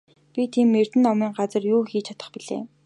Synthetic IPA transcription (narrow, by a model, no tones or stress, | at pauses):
pʲit̪ʰiːmːer̥t̪ɘ̆nɔmiːŋɢat͡sə̆rjuːxiːt͡ɕʰḁt̪ə̆χpiɮḛː